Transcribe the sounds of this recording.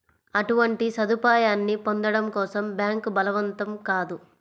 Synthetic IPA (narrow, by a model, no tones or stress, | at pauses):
ɐʈuʋɐɳʈisɐd̪upaːjaːnːipo̞nd̪ɐɽɐmkɔːsɐmbjaːŋkbɐlɐʋɐnt̪ɐmkaːd̪u